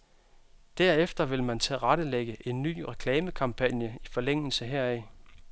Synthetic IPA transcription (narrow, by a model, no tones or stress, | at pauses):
d̥æɐ̰efd̥ɐʋe̝lmænt͡sʰeʁɑɾ̥əleɡ̥əʔe̝nːy̰ːʁɛkʰlɛːməkʰɑ̈mpʰænjəifɒ̽leŋ̰l̩səɦeɐ̰ɛ